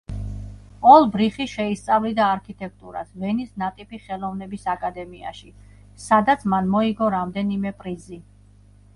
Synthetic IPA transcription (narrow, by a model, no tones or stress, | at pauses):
ɔlˠbɾiχiʃɛist̪sʼavlid̪aːɾkʰit̪ʼɛk̚ʰt̪ʼuɾa̰svɛnisnat̪ʼipʰiχɛlˠɔvnɛbisakʼad̪ɛmia̰ʃi | sad̪at̪sʰmanmɔiɡɔɾamd̪ɛnimɛpʼɾizi